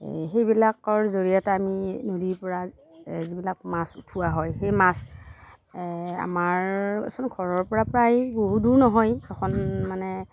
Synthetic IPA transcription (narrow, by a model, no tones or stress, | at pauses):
xejbilakɔɹzoɹijataaminodiɹpɔɹa | zibilak̚masutʰuwaɦɔjxejmas | a̰maɹɛ̰sɔnɡʰʱɔɹɔɹpɔɹapɹajboɦuduɹnɔɦɔjɛkʰɔnmanɛ